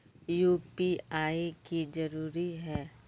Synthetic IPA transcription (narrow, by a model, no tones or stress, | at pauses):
juːpiaːikizɐɾuːɾiɦɛː